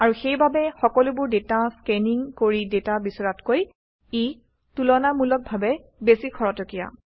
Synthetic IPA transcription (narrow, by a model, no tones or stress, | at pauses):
aɹuxejbabɛxɔkɔlʊbʊɹdetaskɛniŋkoɹidetabisɔɹatkoj | i | tulɔnamulɔk̚bʱabɛ | besikʰɔɹɔtɔkija̰